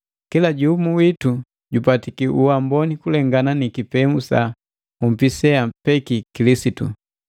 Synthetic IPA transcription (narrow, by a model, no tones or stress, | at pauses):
kilaɟumuwitu | ɟupatikiʔuwambɔnikulɛŋɡananikipɛmusa | um̩pisɛapɛkikilisitṵ